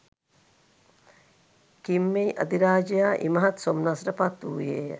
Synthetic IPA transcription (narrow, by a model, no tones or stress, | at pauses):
kimːejʔɐd̪iɾaːd͡ʒijaːʔḭmɐɦɐt̪somnasɾəpat̪uːjeːjə